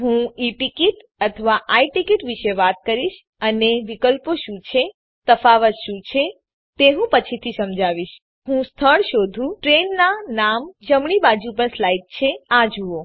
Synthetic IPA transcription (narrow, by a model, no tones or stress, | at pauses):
ɦũiʈikiʈ | ət̪ʰəʋaʔaiʈikiʈʋiʃeʋat̪̚kəɾiʃ | əneʋikəlpoʃũt͡ʃʰe | t̪əfaʋət̪ʃũt͡ʃʰe | t̪eɦũpət͡ʃʰit̪ʰisəmd͡ʒaʋiʃ | ɦũst̪ʰəɭʃod̪ʱũʈɾenːanamd͡ʒəmɳibad͡ʒup̬əɳslajiʈ̚t͡ʃʰeãd͡ʒuo